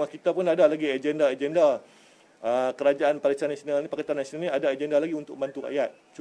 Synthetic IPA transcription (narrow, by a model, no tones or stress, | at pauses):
akit̪apʊnadalaɡiad͡ʒɛndaed͡ʒɛnda | əkəɾad͡ʒaʔanpalisanasionalnipakat̪anːasionalnɲiadaad͡ʒɛndalaɡiunt̪ʊk̚məmbant̪ura̰ʔjat̪̚t͡ʃu